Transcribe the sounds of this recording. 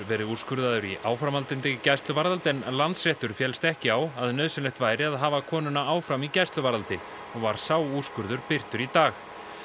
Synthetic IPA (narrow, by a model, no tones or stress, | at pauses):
vɛːɾɪur̥skʏɾðaðʏɾiʔaːwfɾamalt̪ɪnt̪ɪcajst̪lʏvaɾalt̪ɛnlant̪srɛht̪ʏɾ̥fjɛlst̪ɛhcɪawaðnœːðsɪnlɛht̪vaːjɾɪaðɦaːvakʰɔːnʏnaaːwfɾamicajst̪lʏvaɾalt̪ɪ | ɔɣvaɾ̥saːwur̥skʏɾðʏɾpɪr̥t̪ʏɾit̪aːx